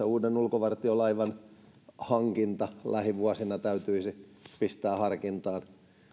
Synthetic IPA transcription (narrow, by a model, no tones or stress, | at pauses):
euːdenulkoʋɑrt̪iolɑiʋɑn | hɑŋkint̪ɑlæhiʋuɑsinɑt̪æyt̪yisipist̪æːhɑrkint̪ɑːn